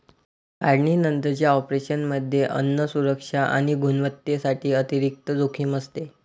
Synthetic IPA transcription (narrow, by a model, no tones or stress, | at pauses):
aɽɳiːnənt̪ət͡ɕjaɔpɾeɕənməd̪ʱjeʔə̰nːəsuɾəkʂaʔa̰ɽ̃iɡunʋət̪jesaʈʰiːət̪iɾik̚t̪əd͡zokʰiːməst̪e